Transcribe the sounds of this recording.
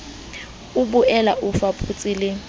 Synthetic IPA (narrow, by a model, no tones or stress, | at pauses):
ubuɛlaʔʊfapʰʼut͡sʼilɪ